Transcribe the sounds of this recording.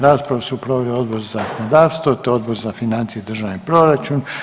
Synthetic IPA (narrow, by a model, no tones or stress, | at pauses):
ɾaːspɾaʋasuupɾoʋelio̞d̪̚bo̞ɾzazakonod̪aːʋst̪ʋot̪oo̞d̪bo̞ɾzafinant̪sijed̪r̩ʒaʋnipɾo̞ɾat͡ʃun